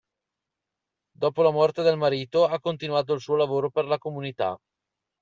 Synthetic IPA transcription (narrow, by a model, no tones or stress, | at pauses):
d̪ɔːpolamɔrt̪ed̪elmaɾiːt̪oakːont̪inuaːt̪̬oilsuːolavoːɾoperlakomunit̪a̰